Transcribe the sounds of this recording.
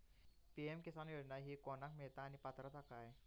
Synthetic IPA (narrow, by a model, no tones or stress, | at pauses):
piɛmkesanjodnaɦikonak̚met̪aːnipat̪ɾɔt̪akae